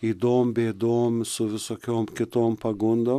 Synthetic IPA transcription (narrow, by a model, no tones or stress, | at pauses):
id̪ombeːd̪omsʊvɪsɔkʲomkɪt̪oːmpɐɡund̪ɐ